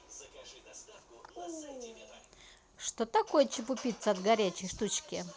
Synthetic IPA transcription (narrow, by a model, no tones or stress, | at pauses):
ʂt̪ot̪ɐkojət͡ɕɪpʊpʲit̪səɐd̪ɡɐɾʲæt͡ɕɪjʂt̪ut͡ɕkʲɪ